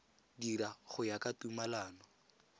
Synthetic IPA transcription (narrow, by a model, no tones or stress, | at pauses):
diɾaχʊjakʼatumalaːnɔ